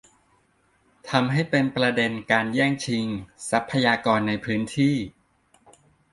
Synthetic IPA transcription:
t̪ʰa˧mɦa˥˩jpe˧npɾa˧de˧nkaː˧njɛː˥˩ŋt͡ɕʰi˧ŋsa˦˥pʰːa˧jaː˧kɔː˧nːa˧jpʰɯː˦˥nt̪ʰiː˥˩

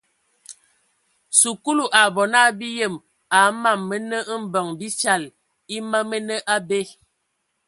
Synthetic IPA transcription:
su˨ku˦lu˨ʔa˨bɔ˨na˦bi˦jə˦˨m | a˨˦ma˦˨mːə˦nə˦m̩˦bə˨ŋbi˦t͡ʃa˦˨l | i˦ma˦mə˦nə˦ʔa˦be˦

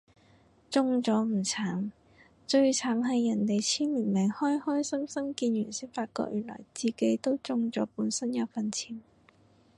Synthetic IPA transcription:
t͡sʊ˧ŋt͡sɔː˨˥m̩˨˩t͡sʰaː˨˥m | t͡ʃɵ˧ɥt͡sʰaː˨˥mɦɐ˨jːɐ˨˩nt̪e˨jt͡sʰiː˥nmiː˨˩nmɛ˨˩ŋhɔː˥jhɔː˥jsɐ˥msɐ˥mkiː˧njyː˨˩nsɪ˥k̚faː˧t̚kɔ̰˧k̚jyː˨˩nlɔ̰ː˨˩jt͡siː˨ke˨˥jt̪o˥wt͡sʊ˧ŋt͡sɔː˨˥puː˨˥nsɐ˥njɐ˧wfɐ˨nt͡sʰiː˨˥˩n

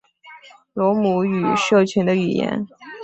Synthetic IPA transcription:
lwɔ˧˥mu˧˥y˨˩ʂɤ˥˩t͡ɕʰy˧˥nd̪ə˧y˨˩jɛ̰˧˥n

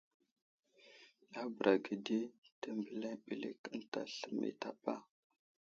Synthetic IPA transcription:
ja˦bə˨ɾʔa˨ɡə˨de˦tə˨mbə˨la˦ɓi˨lḛ˨kə˦n˦ta̰˨ɬə˦mːḛ˨ta˨pa˦

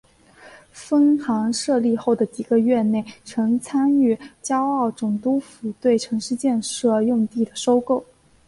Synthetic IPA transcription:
fə˥nxɑ˧˥ŋʂɤ˥˧li˥˧xo˥˩ʊd̪ə˩t͡ɕi˨˩ɡə˧˦ɥɛ˥˧ne˥˩ɪʈ͡ʂʰɤ˧˥ŋt͡sʰa˥ny˥˩t͡ɕjɑ˥ʊɑ˥˩ʊʈ͡ʂʊ˨˩ŋt̪u˥fu˨˩t̪we˥˩ɪʈ͡ʂʰɤ˧˥ŋʂɻ̩˥˧t͡ɕjɛ˥˧nʂɤ˥˧jʊ˥˧ŋt̪i˥˩d̪ə˩ʂo˥ʊko˥˩ʊ

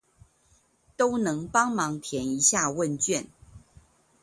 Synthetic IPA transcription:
t̪o˦ʊnɤ˨˦ŋpɑ˥ŋmɑ˨˦ŋt̪ʰjɛ˨˦˥ni˧˦ɕja˥˨wə˥˨nt͡ɕɥɛ˥˨n

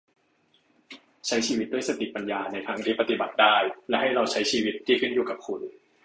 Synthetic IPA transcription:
t͡ɕʰa˦˥jt͡ɕʰiː˧wi˦˥t̪̚du˥˩ə˨jsa˧t̪i˨˩pa˧njaː˧na˧jt̪ʰaː˦˥ŋt̪ʰiː˥˩pa˧t̪i˨˩ba˨˩t̪̚daː˥˩jlɛ˦˥ɦa˥˩jɾa˧wt͡ɕʰa˦˥jt͡ɕʰiː˧wi˦˥t̪̚ʰːiː˥˩kʰɯ˥˩njuː˨˩ka˨˩p̚kʰu˨˩n

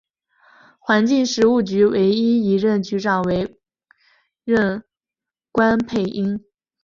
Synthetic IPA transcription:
xwa˧˥nt͡ɕi˥˩ŋʂɻ̩˧˥u˥˩t͡ɕy˧˥we˧˥ɪi˥i˧˥ɻə˥˩nt͡ɕy˧˥ʈ͡ʂɑ˨˩ʊwe˧˥ɪ | ɻə˥˩n | kwa˥npʰe˥˩ɪʔi˥ŋ

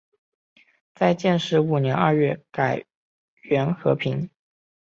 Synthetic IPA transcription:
t͡sa˥˧ɪt͡ɕjɛ˥˧nʂɻ̩˥˩u˨˩njɛ˧˥nɐ˞˥˧ɥɛ˥˩ka˨˩ɪ | ɥɛ˧˥nxɤ̰˧˥pʰi˧˥ŋ

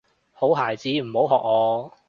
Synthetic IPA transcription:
ho˨˥wɦaː˨˩jt͡siː˧˥m̩˨˩ho˨˥wɦɔː˨k̚ŋɔː˨˧

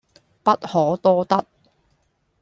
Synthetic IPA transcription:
pɐ˥t̚hɔː˨˥t̪ɔː˥t̪ɐ˥t̚

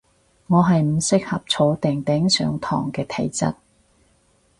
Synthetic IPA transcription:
ŋɔː˨˧ɦɐ˨jm̩˨˩sɪ˥k̚hɐ˨p̚t͡sʰo˨˥t̪ɪ˨ŋt̪ɛː˨˥ŋsœ̰ː˨˧ŋt̪ʰɔ̰ː˨˩ŋkɛː˧t̪ʰe˨˩jt͡sɐ̰˥t̚

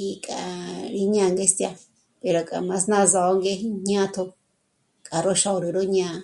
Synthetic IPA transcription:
i˧kʼa˨ɾi˧ɲã˧˨˧ŋɡe˦st̪ja˧ | pe˨ɾo˨kʼa̰˨mã˧snã˦˧za˨˦ŋɡe˦ɦi˦ɲ̥ã˦t̪ʰo˧ | kʼa˨ɾo˦ʃa˧o˧ɾi˨ɾo˦ɲã˧

